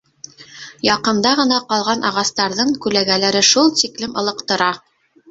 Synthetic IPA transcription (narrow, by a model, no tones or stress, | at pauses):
jɑqɤ̆nd̪ɑʁɤ̆nɑqɑlˠʁɑnʔɑʁɑst̪ɑɾðɤɴkʉlæɡælæɾɘʃulˠt̪iklɘmɤ̆lˠɤ̆qt̪ɤ̆ɾɑ